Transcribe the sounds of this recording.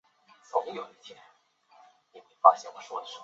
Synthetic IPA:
t͡sʊ˨˩˦ŋ˥jo˨˩i˥˩t͡ɕ̪ʰjɛ˥˩ | ni˨˩me˧˥˩fa˥˧ɕjɛ˥˩wɔ˨˩ʂwɔ̰˥˩d̪ə˨˩ʂ̩˥˩

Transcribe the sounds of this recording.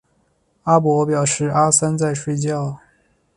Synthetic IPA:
a˥pwɔ˧˥pjɑ˨˩ʊʂɻ̩˥˩ʔa˥sa˥nt͡sa˥˧ɪʂwe˥˧ɪt͡ɕjɑ˥˩ʊ

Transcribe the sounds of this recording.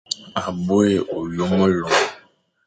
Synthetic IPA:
a˨bo˦e˨ʔo˨jo˦mə˦lɔ˨

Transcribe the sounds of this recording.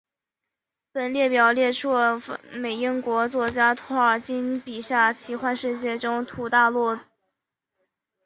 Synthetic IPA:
pə˨˩nljɛ˥˩pjɑ˨˩ʊljɛ˥˧ʈ͡ʂʰɔ˥˩me˨˩ɪi˥nkwɔ˧˥t͡swɔ˥˩t͡ɕja˥t̪ʰɔ˧˥ə˞˨˩t͡ɕi˥npi˨˩ɕja˥˩t͡ɕʰi˧˥xwa˥˧nʂɻ̩˥˧t͡ɕjɛ˥˩ʈ͡ʂʊ˥ŋt̪ʰu˧˩t̪a˥˧lu˥˩

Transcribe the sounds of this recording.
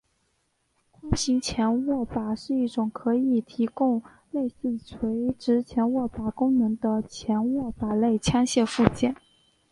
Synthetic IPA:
kʰʊ˥ŋɕi˧˥ŋt͡ɕʰjɛ˧˥nwɔ˥˩pa˨˩ʂɻ̩˥˧i˥˩ʈ͡ʂʊ˨˩ŋkʰɤ˧˥i˨˩t̪ʰi˧˥kʊ˥˧ŋ | le˥˧ɪsɹ̩˥˩t͡sʰwe˧˥ɪʈ͡ʂɻ̩˧˥t͡ɕʰjɛ˧˥nwɔ˥˩pa˨˩kʊ˥ŋnɤ˧˥ŋd̪ə˧t͡ɕʰjɛ˧˥nwɔ˥˩pa˨˩le˥˩ɪt͡ɕʰjɑ˥ŋɕjɛ˥˧fu˥˧t͡ɕjɛ˥˩n

